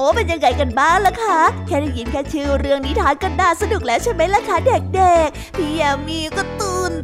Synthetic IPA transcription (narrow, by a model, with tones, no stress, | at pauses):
ʔoː˨˦pe˧nja˧ŋːa˧˩jka˧˩nbaː˥˩ŋla˦˥kʰa˦˧˥kʰɛː˧˩da˧˩ji˨˩˦nkʰɛː˧˩t͡ɕʰɯː˧˩wɾɯ˧əŋniː˦˥t̪ʰaː˨˦˥ŋka˧˩ndaː˧˩sa˧du˨˩k̚lɛː˦˥wt͡ɕʰa˥˩jma˦˥jlaː˧˥kʰa˦˥˩de˨˩k̚de˨˩k̚ | pʰi˧ə˨˩miː˧˩kɔː˥˩t̪ɯː˧˩n